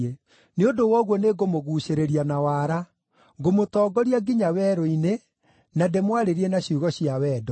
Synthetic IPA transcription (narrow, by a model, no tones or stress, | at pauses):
e | neondowɔɣwɔneɡomoɣuːɕeɾeɾianawaːɾa | ɡomotɔːɡɔɾiaɡiɲawɛːɾoine | nademwaɾeɾienaɕiuɣɔɕijawɛːdɔ